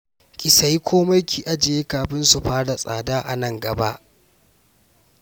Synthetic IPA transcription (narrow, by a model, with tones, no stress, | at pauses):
kʲʼɪ˨sa˦ji˦kʷʰoː˦ma˦jkʲiː˨ʔa˦d͡ʒe˨je˦kaː˨ɸɪ˦nsu˨ɸaː˦da˨sʼa̰ː˨daː˦ʔa̰˨nɐ˦˨ŋɡɐ˨ba˦ʔ